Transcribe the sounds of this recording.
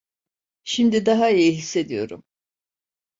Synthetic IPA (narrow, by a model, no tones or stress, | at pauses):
ʃimd̪id̪aɦaijiɦisːe̞d̪ijo̞̰ɾṵm